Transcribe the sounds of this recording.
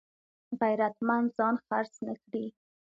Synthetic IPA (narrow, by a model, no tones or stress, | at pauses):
ɣajɾat̪mand̪zɑnxaɾsnəkɽi